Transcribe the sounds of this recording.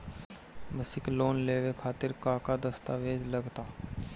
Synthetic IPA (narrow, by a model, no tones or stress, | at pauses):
məsɪkloːnleːʋekʰaːt̪ɪɾkaːkaːd̪əst̪aːʋeːd͡ʒ̪ləɡt̪aː